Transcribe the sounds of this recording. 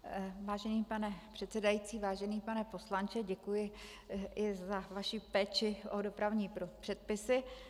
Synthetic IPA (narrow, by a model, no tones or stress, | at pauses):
vaːʒɛniːpanɛpr̝̥ɛt̪sɛdajiːt͡siːvaːʒɛniːpanɛpo̞slant͡ʃɛɟɛkujɪ | ɪzavaʃɪpɛːt͡ʃɪʔodo̞pɾavɲiːpɾopr̥ɛt̪̚pɪsɪ